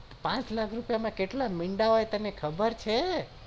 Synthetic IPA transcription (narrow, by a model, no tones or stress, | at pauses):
pãt͡ʃlakʰɾupjamãkeʈlamiɳɖaoet̪ənekʰəbəɾt͡ʃʰe